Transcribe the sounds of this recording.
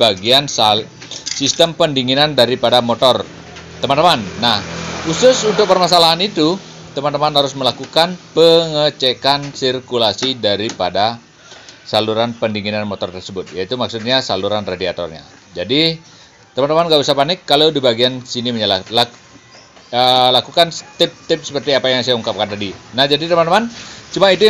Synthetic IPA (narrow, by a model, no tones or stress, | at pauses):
baɡiansa | sist̪əmpəndiŋinandaɾipadamot̪ɔr | t̪əmant̪əmanːahhusʊsunt̪ʊk̚pərmas̬alaɦanit̪u | t̪əmant̪əmanhaɾʊsməlakukanpəŋət͡ʃekansirkulasidaɾipada | saluɾanpəndiŋinanmot̪ɔrt̪ərsəbʊt̪̚jait̪umaksʊt̪̚ɲasaluɾanradiat̪ɔ̰rɲa̰ | d͡ʒadi | t̪əmant̪əmanɡaʔusapanɪkːalawdibaɡiansiniməɲalala | əlakukant̪ɪp̚t̪ɪp̚sə̥pərt̪iapajaŋsajauŋkap̚kandadinahd͡ʒadit̪əmant̪əmant͡ʃumait̪u